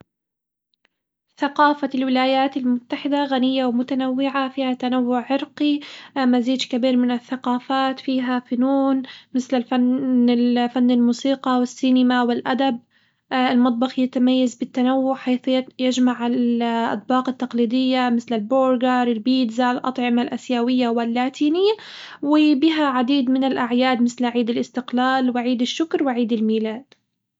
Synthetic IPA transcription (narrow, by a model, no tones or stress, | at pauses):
θaqɑːfalwɪlaːjaːt̪ɪlmʊt̪ːaħɪd̪aɣanɪjːawmʊt̪anawːɪʕafiːhat̪ːanawːʊʕːɪɾqimaziːd̪d͡ʒkabiːɾmɪnɪθːaqɑːfaːt̪fiːɦafʊnuːnmɪθlɪlfanɪfanːɪlmuːsiːqɑwɪsːinɪmawɪlʔad̪ab̚ | ɪlmɑt̪̚ˤbɑxjat̪amajːazbɪt̪ːanawːʊʕħaːθjajad͡ʒmaʕɪʔa̰d̪bɑːqɪt̪ːɑqliːd̪ɪjːamɪθlɪlboːɾɡɑɾˤɪlbiːd̪zalʔɑ̰t̪ˤʕɪmalʔasjaːwɪjːawɪlːaːt̪ʰiːnɪjːa | wɪbɪɦaʕad̪iːd̪mɪnɪlʔaʕjaːd̪mɪθlʕiːd̪ɪlʔɪst̪ɪqlaːlwɪʕiːd̪ɪʃːʊkɾwɪʕiːd̪ɪlmiːlaːd̪̥